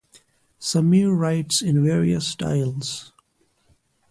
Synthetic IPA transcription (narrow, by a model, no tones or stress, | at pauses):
səmiɹːaɪʈsɪ̃nʋeːɹiəsːʈa̰ɪlz̥